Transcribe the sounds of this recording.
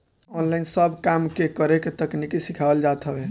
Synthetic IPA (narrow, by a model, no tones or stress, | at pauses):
ɔnlainsəbʱkamkekəɾeket̪əknikisikʰabəld͡ʒat̪ɦəbɛ